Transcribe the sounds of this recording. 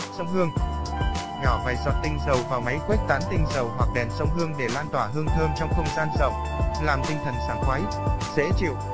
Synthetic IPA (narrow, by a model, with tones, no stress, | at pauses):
sə˧wŋ͡mɦɨ˧əŋ | ɲɔ˧˩vaː˨˩jzɔ̰˨t̚t̪ï˧˩ŋ̟zə˨˩wvaː˨˩wma˨˦jkwe˦˥k̚t̪aː˨˦˥nt̪ï˧ŋ̟zə˨˩wɦwa˨˩k̚ɗɛ˨˩nsə˧wŋ͡mɦɨ˧əŋɗe˧˩laː˧nt̪waː˧˩ɦɨ˧əŋt̪ʰəː˧mt͡ɕɔ˧wŋ͡mxə˧wŋ͡mzaː˧nzə˨˩w | laː˨˩mt̪ï˧ŋ̟t̪ʰə˨˩nsaː˧˩ŋxwaː˨˦j | z̥ḛ˧˥t͡ɕḭ˧˨w